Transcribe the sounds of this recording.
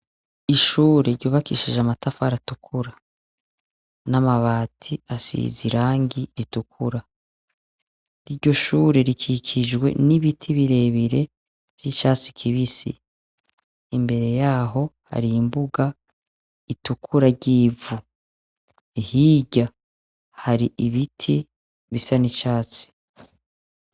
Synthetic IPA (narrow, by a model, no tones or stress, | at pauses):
iʃuːɾeɾɟoːβakiːʃiʒamatafaɾatukʰuɾa | namaβaːtʰiasḭziɾaːŋɡiɾitukʰuɾa | iɾɟo̞ʃuːɾe̞ɾikʰikʰid͡ʒɡwe̞̰niβitʰiβiɾe̞βiɾe̞ | ɾjit͡ʃaːt͡si̥kʰiβisḭ | mbe̞ɾe̞jaːɦo̞ha̰ɾiːmbuɡa | itukʰuɾaɟiːvu | ihiːɟa | haɾiʔiβitʰi | βisanit͡ʃaːt͡si̥